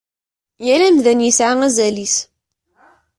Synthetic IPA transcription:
jælæmðænjəsʕaŋæzælis

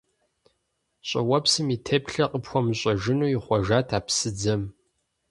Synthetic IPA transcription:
ɕʼɐ̰wɐpsɨmiːtʰeːpɬɐqʼəpxʷɔmɨɕʼɐʒɪnuːjiχʷɔʒaːtʰaːpsɨd͡zɐm

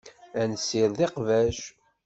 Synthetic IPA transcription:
ænsːɪɾðeqvæʃ

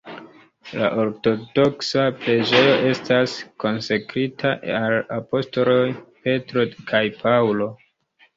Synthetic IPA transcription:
la̰ʔo̞ɾto̞do̞ksapɾe̞d͡ʒe̞jo̞ʔe̞stasko̞nsakɾitʰaalapo̞sto̞lo̞jpe̞tɾo̞kʰajpʰawlo̞

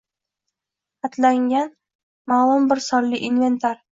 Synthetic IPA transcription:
at̪ʰlaŋɡʲan | malˠʊmbɪɾsɒɾlɪʔinve̞nt̪ʰaɾ

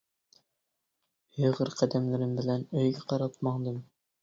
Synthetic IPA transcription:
ɵjʁɘɾqʰæd̪æmlɘɾɘmbɪ̆lænɵ̆jɡæqɑɾɑp̚mɑɴd̪ɤm

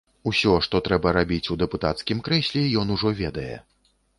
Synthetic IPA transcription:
usʲɔʂt̪ɔt̪ɾɛbɐɾabʲit͡sʲud̪ɛput̪at̪skʲimkɾɛsʲlʲɛjɔnuʐɔvʲɛd̪ɐjɛ̰

